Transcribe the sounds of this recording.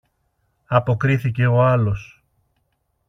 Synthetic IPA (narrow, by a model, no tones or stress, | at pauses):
ɐpo̞kɾiθice̞o̞ɐlo̞s